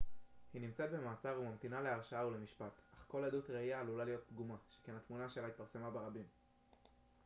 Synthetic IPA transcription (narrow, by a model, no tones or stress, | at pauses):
hinimt͡set̪̚be̞maːt͡saʁumamt̪inale̞aʁʃaaule̞miʃpat̪ʔaχko̞led̪ut̪ʁeiaːlulalijo̞t̪̚dɡumaʃe̥kenhat̪munaʃe̞lait̪̚paʁse̞mabe̞ʁabim